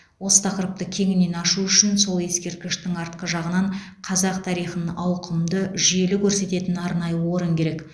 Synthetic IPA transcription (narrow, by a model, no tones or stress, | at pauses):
wo̞sə̥t̪ʰɑqəɾəp̚t̪əkʲʰe̞ŋɪnːe̞nɑʃuʏʃɪnso̞lˠe̞skʲe̞ɾt̪̚kʲɪʃt̪ɪŋɑɾt̪qəʒɑʁənɑɴ | qʰɑzɑqt̪ʰɑɾijχənəɑwqʰəmd̪əʒije̞lɪkʲʰɵɾse̞t̪e̞t̪ɪnɑɾnɑjəwo̞ɾəŋkʲʰe̞ɾe̞k